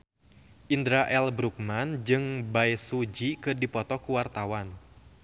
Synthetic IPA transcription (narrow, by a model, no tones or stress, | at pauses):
ʔindɾaʔɛlbɾuk̚mand͡ʒɨŋbajsud͡ʒikɨrdipɔt̪ɔkuwart̪awan